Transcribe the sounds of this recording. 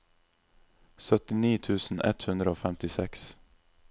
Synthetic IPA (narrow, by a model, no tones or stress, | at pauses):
sœt̪ɪniːt̪ʰʉːsn̩ɛ̰t̪hʉnd̪ɾəoːfɛmt̪ɪsɛks